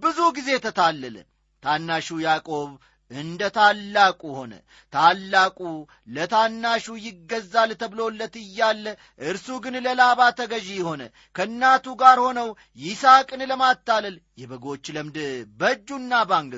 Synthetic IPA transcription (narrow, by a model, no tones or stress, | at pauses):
bɨzuɡize̞t̪ʰət̪ʰalːələ̰ | t̪ʰanːaʃujakʼo̞β | ɨnd̪ət̪ʰalːakʼuho̞nə̰ | t̪ʰalːakʼu | lət̪ʰanːaʃujɪɡːəzːalt̪ʰəβlo̞lːət̪ɨjːalːə | ʔɨɾsuɡɨnləlaβat̪ʰəɡəʒijɪho̞nə̰ | kʰəɨnːat̪uɡaɾho̞nəw | jɪsakʼɨnləmat̪ːaləl | jɛbəɡo̞t͡ʃːləmd̪bəd͡ʒːunːabaŋɡə